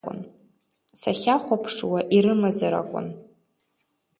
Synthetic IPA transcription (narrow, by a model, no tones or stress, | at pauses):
ʊ̰n | saχʲaχʷapʰʂwaʔiɾɨmazaɾa̰kʷʼʊ̰n